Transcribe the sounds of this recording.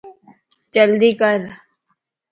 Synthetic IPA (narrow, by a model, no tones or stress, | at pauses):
t͡ʃəld̪iːkəɾ